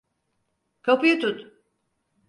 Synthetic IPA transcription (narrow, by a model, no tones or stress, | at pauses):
kʰapujut̪ʰut̪